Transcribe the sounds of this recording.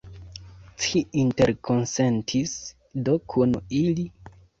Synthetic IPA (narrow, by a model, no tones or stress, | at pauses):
t͡ʃiinte̞ɾkʰo̞nsentʰis | do̞kʰunili